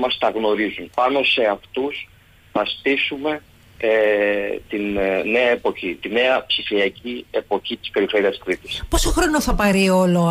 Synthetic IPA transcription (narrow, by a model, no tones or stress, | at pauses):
mɐst̪ɐɣno̞ɾizunpɐno̞se̞ɐft̪us | θɐst̪isume̞ | et̪inːe̞ɐe̞po̞çit̪ine̞ɐpsifiɐciepo̞çit̪i̥speɾifeɾiɐskɾit̪i̥sposoxɾo̞noθɐpɐɾio̞lo